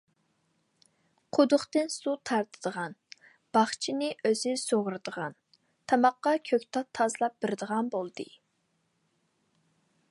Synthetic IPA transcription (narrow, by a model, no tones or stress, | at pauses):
qʰʊd̪ʊχt̪ɨnsut̪ʰɑɾt̪ʰɨ̥d̪̥əʁɑn | b̥ɑχt͡ʃʰinɨʔøzɪsoʁɾɨd̪əʁɑn | t̪ʰɑmɑqːɑkʲʰøkʲt̪ʰɑt̪ʰːɑzlˠɑp̚b̥ɪɾɪd̪əʁɑnbolˠd̪̥ɨ